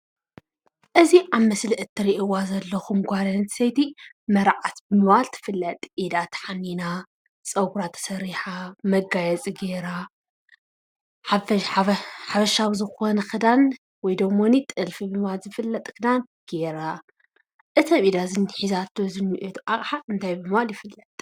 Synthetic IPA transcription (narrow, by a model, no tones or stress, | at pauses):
ʔɨziʔaβmɐsliʔɨt̪ʰːɨɾiʔɨwazɐlːɐxumɡʷaɾɐnɨt̪sɐjt̪i | mɐɾʕat̪bɨmɨβalt̪ʰɨ̥fɨlːɐt̪ʼʔid̪at̪ħanːina | t͡sʼɐɡuɾat̪ʰːɐ̥sɐɾiħamɐɡajɛt͡sʼiɡe̞ɾa | ħaf | ħafɐʃaβzɨxonɐxɨd̪an | wɔjd̪ɐɡmonit̪ʼɨlfibɨmɨβalzɨfɨlːɐt̪ʼkɨd̪an | ɡ̥e̞ɾa | ʔɨt̪ʰɐmid̪azɨnːħizat̪ozɨnːiʔet̪ʰʔakʼħaɨnt̪ʰajbɨmɨβaljɪfɨlːɐt̪ʼ